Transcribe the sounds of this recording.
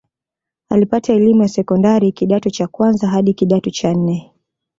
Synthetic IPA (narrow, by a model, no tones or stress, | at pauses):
alipataɛlimujasɛkɔndaɾikiɗatut͡ʃakwanzaɦaɗikiɗatut͡ʃan̩nɛ